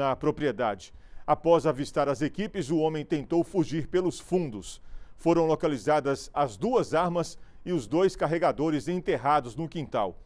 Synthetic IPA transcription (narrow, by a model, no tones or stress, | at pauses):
ɐpɾopɾied̪ad͡ʒɪ̥ | apɔzavist̪aɾɐzekipɪzʊõmẽj̃t̪ẽnt̪owfuʒiɾpelʊsfũnd̪ʊsfoɾɐ̃w̃lokalizad̪ɐzɐzd̪uɐzaɾmɐsɪʊzd̪ojskaɦeɡad̪oɾɪzẽt̪eɦad̪ʊznʊkĩnt̪a̰w